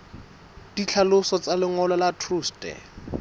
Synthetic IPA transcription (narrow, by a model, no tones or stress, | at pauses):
d̥it͡ɬʰalʊsɔt͡salɪŋɔlɔlatʰruːstɛ̰